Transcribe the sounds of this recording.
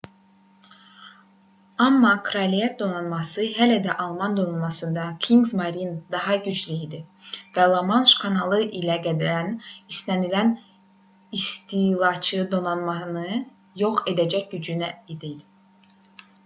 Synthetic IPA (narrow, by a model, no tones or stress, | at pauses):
ɑmːɑkʰɾɑlijɛt̪̚d̪o̞nɑnmɑsɯɦælæd̪æʔɑlˠmɑnd̪o̞nɑnmɑsɯnd̪ɑkʰiŋɡzmɑɾind̪ɑɦɑɟyd͡ʒlyid̪ivælˠomɑnʃkʰɑnɑlˠɯʔilʲæɡæd̪ænist̪ænilæn | ist̪ʰilˠɑt͡ʃʰɯd̪o̞nɑnmɑnɯ | joχe̞d̪æd͡ʒæcɟyd͡ʒynæid̪id̪i